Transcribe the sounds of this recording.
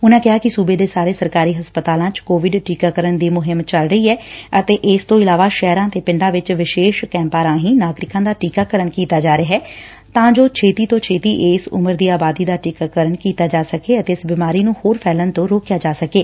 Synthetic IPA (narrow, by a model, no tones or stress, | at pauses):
ʊnãːkɪɦaːkɪsuːbeːd̪eːsaːɾeːsəɾkaːɾiːɦəspət̪aːlãːt͡ʃkoːʋɪɖʈiːkaːkəɾəɳd̪iːmʊɦɪmt͡ʃəlɾəiːɛːət̪eːʔɪst̪õːɪlaːʋaːʃɛːɾãːt̪eːpɪɳɖãːʋɪt͡ʃʋɪʃeːʃkɛ̃ːmpaːɾãːɦĩːnaːɡɾɪkãːd̪aːʈiːkaːkəɾəɳkiːt̪aːd͡ʒaːɾeɦɛː | t̪ãːd͡ʒoːt͡ʃʰeːt̪iːt̪õːt͡ʃʰeːt̪iːʔeːsʊ̰məɾd̪iːaːbaːd̪iːd̪aːʈiːkaːkəɾəɳkiːt̪aːd͡ʒaːsəkeːət̪eːɪsbɪmaːɾiːnũːhoːɾpʰɛːlənt̪õːɾoːkjaːd͡ʒaːsəkeː